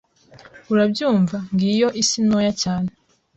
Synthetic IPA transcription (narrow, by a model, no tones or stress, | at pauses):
uɾabjuːɱvaŋɡijo̞ʔisinojacaːne